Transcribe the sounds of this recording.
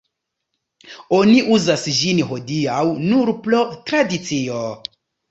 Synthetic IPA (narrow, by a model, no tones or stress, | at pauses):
o̞niʔuzasd͡ʒinho̞diawnuɾplotɾadit͡sio